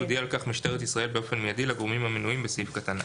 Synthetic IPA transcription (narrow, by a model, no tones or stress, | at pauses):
ud̪iaːlkaχmiʃt̪e̞ʁet̪isʁaelbe̞o̞fe̞nmejad̪ilaɡoʁmimhamenuimbesifkat̪ana